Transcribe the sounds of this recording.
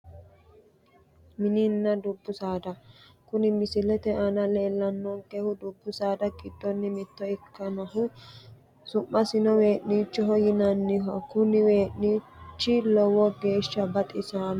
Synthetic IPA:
mɪnɪnːɐd̪ʊbːʊsaːd̪ɐ | kʊnɪmɪsɪlɛt̪ɛʔɐnɐleːlːɐnːɔŋkɛhʊd̪ʊbːʊsaːd̪ɐkʼɪd̪ːɔnːɪmɪt̪ːɔɪkːɐnɐɦʊ | sʊmːɐsɪnɔwe̞ːʔniːt͡ʃːɔɦɔjɪnɐnːɪɦɔkʊnɪwe̞ːʔniːt͡ʃːɪlɔwɔɡe̞ːʃːɐbɐt̪ʼɪsaːn

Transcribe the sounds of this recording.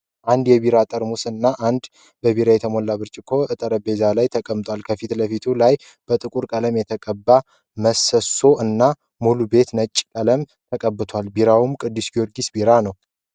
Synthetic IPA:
ʔand̪jɛβiɾat̪ʼəɾmusɨnːaʔand̪ | bəβiɾajɛt̪ʰəmolːaβɨɾt͡ʃʼɪkʰo̞ʔɨt̪ʼəɾəbe̞zalajt̪ʰəkʼəmt̪ʼwalkʰəfit̪ləfit̪ʰulaj | b̥ət̪ʼɨkʼuɾkʼələmjɛt̪ʰəkʼəbːa | məsəso̞ʔɨnːa | mulube̞t̪nət͡ʃʼːkʼələm | t̪ʰəkʼəbːɨt̪ʰwalbiɾawumkʼɨd̪ːisɡioɾɡisbiɾanəw

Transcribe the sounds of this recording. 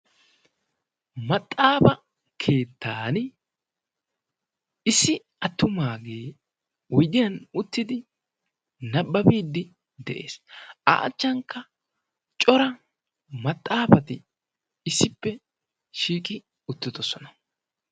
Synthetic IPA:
mɐt̪ʼːaːfɐ | kʰe̞ːt̪ːaːn | ɪsːɪ | ɐt̪ːʊmaːɡeː | wɔjd̪ɪjɐnʊt̪ːɪd̪ɪ | nɐbːɐbiːd̪ːɪ | d̪ɛʔe̞̰ːsa̰ːt͡ʃːɐŋkːɐ | t͡ʃʼɔɾɐ | mɐt̪ʼːaːfɐt̪ɪ | ɪsːɪpːɛ | ʃiːkʼɪ | ʊt̪ːɪd̪ɔsɔnɐ

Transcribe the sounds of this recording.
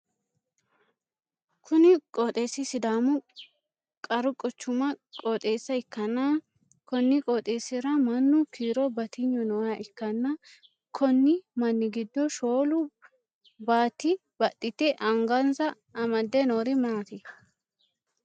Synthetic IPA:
kʰʊnɪkʼoːt̪ʼeːsːɪsɪd̪aːmʊ | kʼɐɾʊkʼːɔt͡ʃːʊmɐkʼoːt̪ʼe̞ːsːɐɪkːɐnːɐ | kɔnːɪkʼoːt̪ʼeːsɪɾɐmɐnːʊkiːɾɔbɐt̪ɪɲːʊnɔːjɐʔɪkːɐnːɐ | kʰɔnːɪmɐnːɪɡɪd̪ːɔʃoːlʊ | baːt̪ːɪ | b̥ɐt̪ʼːɪt̪ːɛʔɐŋɡɐnsɐː | mɐd̪ːɛnoːɾɪmaːt̪ɪ

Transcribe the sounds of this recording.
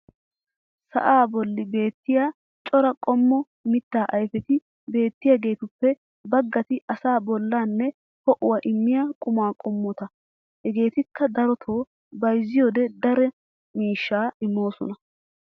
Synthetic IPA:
sɐ̰ʔaːbɔlːɪbe̞ːt̪ːɪjaː | t͡ʃʼɔɾɐkʼɔmːɔ | mɪt̪ːaːʔɐjfɛt̪ɪ | be̞ːt̪ːɪjaɡe̞ːt̪ʊpːɛ | bɐɡːɐt̪ɪʔɐsaːbɔlːaːnːɛ | hɔʔʊwɐʔɪmːɪjakʼʊmaːkʼɔmːɔt̪ɐ | hɛɡe̞ːt̪ɪkːɐd̪ɐɾɔt̪ʰoː | bɐjzːɪjoːd̪ɛd̪ɐɾɛ | miːʃːaːɪmːo̞ːsɔ̰nɐ

